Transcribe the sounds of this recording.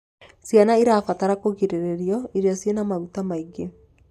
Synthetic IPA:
sianaiɾafataɾakoɣiɾeɾeɾiɔiɾjɔsienamaɣutamaiɡe

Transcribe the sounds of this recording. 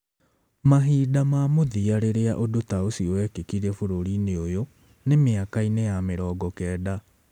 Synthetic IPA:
maɦiːdamamoðiaɾeɾea̰ʔodotaosiɔwɛkekiɾɛfoɾoɾineojo | nemeakainejameɾɔːɡɔkɛːda

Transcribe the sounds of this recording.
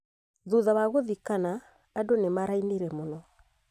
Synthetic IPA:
ðuðawaɣoðikanaː | donemaɾaineɾɛmonɔ

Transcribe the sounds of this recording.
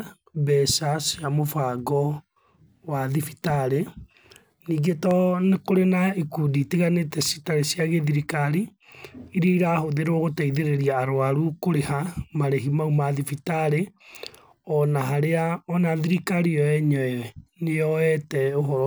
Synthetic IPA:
bɛsaseamofaɡɔ | waðifi̥taɾe | niːɡetɔnekoɾenaikuditiɣanetɛsi̥taɾesjaɣeðiɾikaɾi | iɾeiɾahoðeɾɔɣotaiðeɾeɾiaːɾoaɾukoɾehamaɾeɦimaumaðifitaɾe | ɔnaɦaɾeaɔnaðiɾikaɾiɔɛɲɔɛwɛneɔɛtɛoɦɔɾɔ

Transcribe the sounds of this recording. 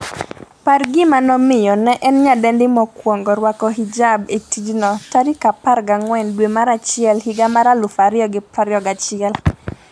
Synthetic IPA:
parɡɪmanɔmɪjɔnɛʔɛnɲadɛndɪmɔkwɔŋɡɔɾwakɔɦid͡ʒabetid͡ʒnɔtaɾikapaɾɡaŋwɛndwemaɾat͡ʃɪɛlhɪɡamaɾalʊfaɾjɔɡɪpɾaɾjɔɡat͡ʃɪɛl

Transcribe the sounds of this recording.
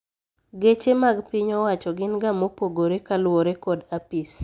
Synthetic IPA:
ɡet͡ʃemaɡpiɲɔwat͡ʃɔɡɪnɡamopoɡoɾekalwoɾekɔdapis

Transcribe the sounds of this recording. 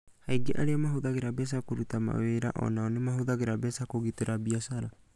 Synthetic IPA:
haiɡeʔaɾeamaɦoðaɣeɾabɛs̬akoɾutama̰weɾa̰ʔɔ̰naɔnemaɦoðaɣeɾabɛsakoɣiteɾabiasaɾa

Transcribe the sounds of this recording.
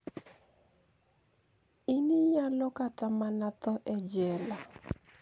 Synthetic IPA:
iniɲalɔkatamanat̪ɔʔɛd͡ʒɛla

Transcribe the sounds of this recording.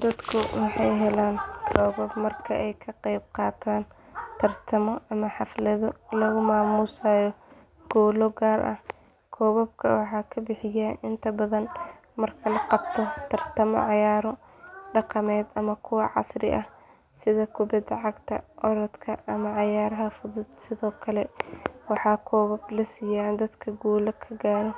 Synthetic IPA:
d̪̥ɐd̪kʰʊwɑħɑjɦɛlaːnkʰɔːβɔbmɐrkʰɐʔɛjkʰɐqɛjb̚qɑːt̪ʰaːnt̪ʰɐrt̪ʰɐmɔɐmɐħɑflɐðɔlɐɣʊmaːmuːsaːjɔ | ɡ̥ɔːlɔɡaːrʔɐ̰h | kʰɔːβɐb̚kʰɐwɑħɑːkʰɐbɪħɪjaːʔɪnt̪ʰɐbɐðɐn | mɐrkʰɐlɐqɑbt̪ʰɔt̪ʰɐrt̪ʰɐmɔ̰ʕɑjaːɾɔ | ɖɑqɑmɛːd̪ɐmɐkʰʊwɑʕɑ̰srɪ̰ʔɐh | sɪðɐkʰʊbɐd̪ɐʕɑɡt̪ʰɐ̰ʔɔɾɐd̪kʰɐʔɐmɐʕɑjaːɾɐɦɐfʊðʊd̪sɪðɔːkʰɐlɛwɑħɑːkʰɔːβɐblɐsijaːnd̪ɐd̪kʰɐɡɔːlɐkʰɐɡaːɾɔ

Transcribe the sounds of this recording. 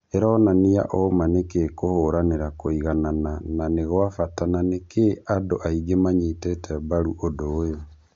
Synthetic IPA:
eɾɔːnanija̰ʔɔmanekekohoɾaneɾakoiɣananananeɣwafatananekeadoʔaiɡemaɲitɛtʰɛβaɾuʔodoːjo

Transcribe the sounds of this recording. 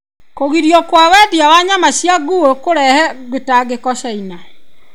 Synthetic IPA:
koɣiɾjɔkwawɛdiawaɲamaɕjaɡuokoɾɛhɛɡwetaɡekɔɕɛina

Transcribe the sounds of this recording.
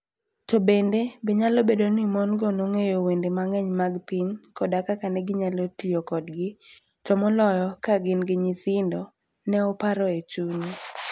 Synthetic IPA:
tobendebɛɲalobedonimɔnɡɔnoŋejowendemaŋɛɲmaɡpiɲkɔdakakanɛɡɪɲalotijokɔdɡɪ | tɔmɔlɔjɔkaɡɪnɡɪɲɪt̪ɪndɔ | nɛɔpaɾɔet͡ʃuni

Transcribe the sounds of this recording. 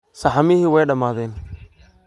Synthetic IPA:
sɐħɑmɪɦɪwɛjɖɐmaːðɛːn

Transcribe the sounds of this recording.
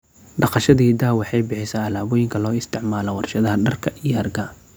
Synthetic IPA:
ɖɑqɑʃɐðiːd̪aːwɑħɑjbɪħɪsaːɐlaːβɔːjɪŋkʰɐlɔːɪst̪ʰɪʕmaːlɔwɑrʃɐðɐɦɐɖɐrkʰɐʔijɐrɡɐ

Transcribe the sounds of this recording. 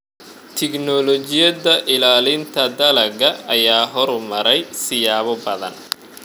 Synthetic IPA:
t̪ʰɪknɔlɔt͡ʃɪjɐðɐʔɪlaːlɪnt̪ʰɐd̪ɐlɐɡɐɐjaːɦɔɾʊmɐɾɛjsɪjaːβɔbɐðɐ̰n

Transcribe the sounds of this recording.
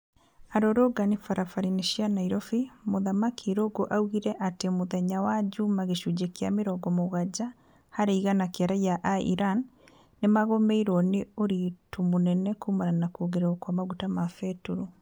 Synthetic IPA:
aɾoɾoɡanifaɾafaɾineʃianaiɾɔfimoðamakʰiɾoɡoʔauɣiɾɛʔatemoðɛɲawad͡ʒumaɣeʃud͡ʒekeameɾɔɡɔmoɣad͡ʑa | haɾeiɣanakaɾajaʔaḭɾanː | emaɣomeiɾɔneoɾitumonɛnɛkuːmananakoɣeɾaokwamaɣutamafɛtuɾu

